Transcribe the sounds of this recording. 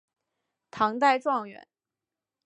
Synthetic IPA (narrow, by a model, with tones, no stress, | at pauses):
t̪ʰɑ˧˥ŋt̪a˥˧ɪʈ͡ʂwɑ˥˩ŋɥɛ̰˧˥˦n